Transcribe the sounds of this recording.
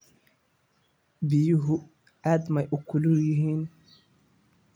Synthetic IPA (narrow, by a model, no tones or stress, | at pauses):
bɪjʊɦʊ | aːd̪mɐjʔʊkʰʊlʊljɪɦiːn